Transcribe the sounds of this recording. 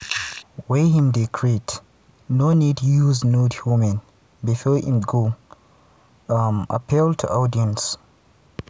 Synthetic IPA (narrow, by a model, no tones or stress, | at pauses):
wehĩmdikʰɹit | nonidjuznudhumɛ̃n | bifɔhḭ̃mɡo | ma̰pʰilˠtʰṵʔadiə̃ns